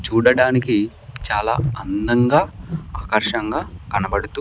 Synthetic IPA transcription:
t͡ʃuːɽɐɽaːniki | t͡ʃaːla̰ːɐnd̪ɐŋɡaːaːkɐɾʂɐŋɡaːkɐnɐbɐɽut̪u

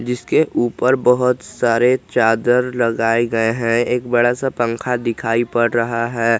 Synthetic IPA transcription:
d͡ʒɪskeʔuːpəɾbɐɦʊt̪saːɾet͡ʃaːd̪əɾlɐɡaːeɡɐeɦɛ̃eːk̚bɐɽasapɐ̃ŋkʰad̪ɪkʰaːipɐɽɾɐɦaɦɛː

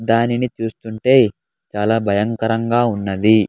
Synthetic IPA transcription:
d̪aːninit͡ʃuːst̪uɳʈe̞ː | t͡ʃaːlaːbʱɐjɐŋkɐɾɐŋɡaːunːɐd̪i

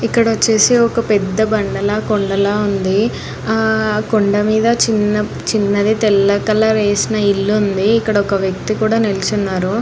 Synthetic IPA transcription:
ikːɐɽɐʋɐt͡ʃːeːseɔkɐpɛd̪ːɐbɐɳɖɐlɐkoɳɖɐlɐund̪i | koɳɖɐmiːd̪ɐt͡ʃinːɐ | t͡ʃinːɐd̪it̪ɛlːɐkɐlɐɾeːsinɐilːund̪iːkːɐɽɐɔkɐʋjɐk̚t̪ikuːɽaːnelit͡ʃunːaːɾu

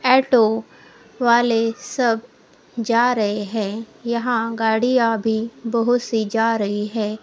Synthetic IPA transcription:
ɛːʈo | ʋaːlesɐb | d͡ʒaːɾɐɦeɦɛ̃ːjɐɦãɡaːɽijãbʱibɐɦʊt̪sid͡ʒaːɾɐɦiɦɛ̃ː

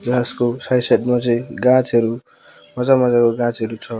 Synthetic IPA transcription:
d͡zaskosajsaʈmat͡sʌĩɡãt͡sʌɾu | mʌd͡zamʌd͡zakoɡãt͡sɦʌɾut͡sʰʌ

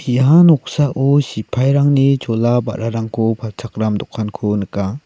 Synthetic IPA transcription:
iɦanɔk̚saʔusipʰajɾaŋnid͡ʒɔlaba̰ɾaɾaŋkʰɔpʰat͡ʃʰakɾamd̪ɔkʰːankʰunəka

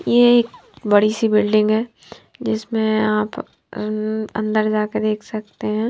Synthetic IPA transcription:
jeeːkbɐɽisibɪlɖɪ̃ŋɡɦɛː | d͡ʒɪsmẽaːp | ɐ̰̃nd̪əɾd͡ʒaːked̪eːkʰsɐk̚t̪eɦɛ̃ː

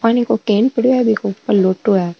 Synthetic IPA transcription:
paːnikokeːnpɪɽuɛːbʱikopːəloːʈːuɛː

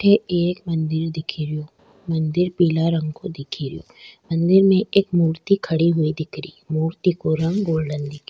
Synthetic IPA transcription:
ʈʰeeːkmɐ̃nd̪ɪɾd̪ɪkʰiɾijoː | mɐ̃nd̪ɪɾpiːlaɾɐ̃ŋɡkod̪ɪkʰiɾḭjo̰ːmɐ̃nd̪ɪɾmẽʔeːkmuːɾt̪ikʰɐɽiɦʊid̪ɪkɾḭːmuːɾt̪ikoɾɐ̃ŋɡɡoːlɖənd̪ɪk

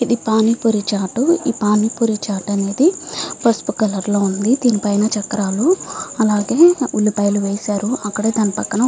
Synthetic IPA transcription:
id̪ipaːnipuɾit͡ʃaːʈuiːpaːnipuɾit͡ʃaːʈɐne̞ːd̪ipɐspukɐlɐɾlo̞ːund̪id̪iːnipɐjnɐt͡ʃɐkːɐɾaːluɐlaːɡe̞ːuɭːipɐjluʋeːsaːɾuɐkːɐɽe̞ːd̪ɐnipɐkːɐɳɐ

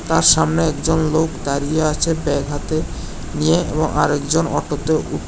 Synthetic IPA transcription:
t̪aɾʃamneɛkd͡ʑonlokd̪aɾijeat͡ɕʰebɛɡʱɦat̪e | nijeḛboŋʔa̰ɾɛkd͡ʑonɔʈot̪eʔuʈ

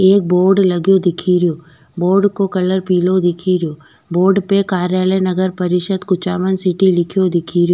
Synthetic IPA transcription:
eːk̚boːɾɖlɐɡjod̪ɪkʰiɾijoː | boːɾɖkokɐləɾpiːlod̪ɪkʰiɾɪjoː | boːɾɖpekaːɾjaːlənɐɡəɾpɐɾɪʃəd̪kʊt͡ʃaːʋənsɪʈilɪkʰijod̪ɪkʰiɾijoː

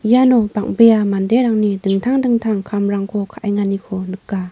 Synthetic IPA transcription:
ijanɔbak̚bejamandeɾaŋnidɯŋtʰaŋdɯŋtʰaŋkʰamɾaŋkʰɔkʰaʔajŋanikʰɔnɯk̚ɡa

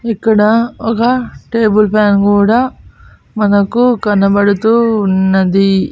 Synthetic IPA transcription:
ikːɐɽɐɔkɐʈe̞ːbulpʰaːnkuːɽaː | mɐnɐkukɐnɐbɐɽut̪uːnːɐd̪i

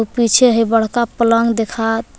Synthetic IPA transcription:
upit͡ʃʰeɦebəɽ̤kapələŋɡd̪ekʰa

